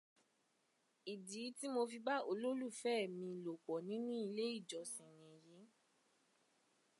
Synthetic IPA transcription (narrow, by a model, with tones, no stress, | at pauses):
i˨di˨˦ti˦mo˧fi˧ba˦o˧lo˦lu˦˨fɛː˦˨mĩ˧lo˨k͡pɔ˨nĩ˨˦nũ˦i˧le˦i˦˨d͡ʒɔ˨sĩ˨j̃ɛ̃˨je˨˦